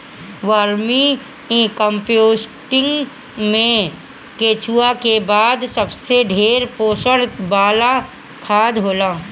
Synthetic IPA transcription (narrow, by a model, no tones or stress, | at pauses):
ʋaːɾmi | ĩkəmpjoːsʈɪ̃ŋɡ | mẽ | keːt͡ʃuːakebaːd̪sɐbseɖʱeːɾpoːʃəɽbaːla | kʰaːd̪ɦoːlaː